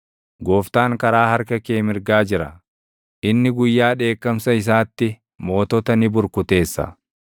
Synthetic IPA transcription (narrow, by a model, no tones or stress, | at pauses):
ɡoːft̪aːŋkɐɾaːhɐɾkɐkeːmɪɾɡaːd͡ʒɪɾɐ̰ | ʔɪnːɪɡʊjːaːᶑe̞ːkːɐmsɐɪs̬aːt̪ːɪ | mo̞ːt̪ɔt̪ɐnɪbʊɾkʊt̪e̞ːsːɐ̰